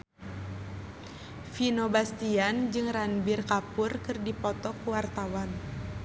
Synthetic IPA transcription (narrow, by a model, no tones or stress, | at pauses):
finobast̪iand͡ʒɨŋranbirkapʊrkɨrdipɔt̪ɔkuwart̪awan